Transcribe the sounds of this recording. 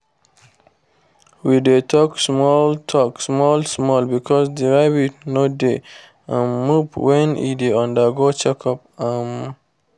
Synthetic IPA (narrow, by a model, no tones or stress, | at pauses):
widetʰɔksmɔltʰɔksmɔlsmɔlbikʰɔsdiɹaɪbinode | ãnmupwɛ̃nḭdeɔ̃ndəɡot͡ʃɛkʰɔp̚am